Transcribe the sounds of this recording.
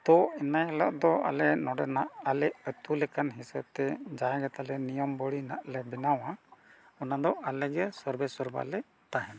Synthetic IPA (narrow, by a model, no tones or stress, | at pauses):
t̪ɔɛnajɛlɔʔd̪ɔʔa̰lɛnɔɖɛnaʔalɛʔət̪ulɛkanɦisɛb̚t̪ɛd͡ʒaãɡɛt̪alɛnijɔmbɔɽina̰ʔlɛbɛnawa | ɔnad̪ɔʔalɛɡɛsɔɾbɛsɔɾba̰lɛ | t̪aɦɛna